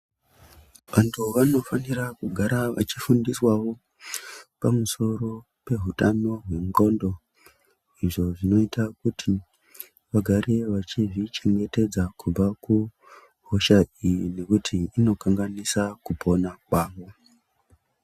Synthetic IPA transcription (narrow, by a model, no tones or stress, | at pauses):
ʋantʰuʋano̞fanirakuɡʱaɾaʋa̰t͡ʃifundiswawo̞ | pamuso̞ɾo̞ | pe̞ɦutano̞ɦwe̞ŋɡo̞ndo̞ | iʐo̞ʐino̞itʰakutʰi | ʋaɡʱaɾeʋat͡ʃiʐit͡ʃe̞ŋɡe̞te̞d͡zakub͡vaku | ɦoʃaijine̞kutʰiːno̞kaŋɡanisakupʰo̞nakwaːʋo̞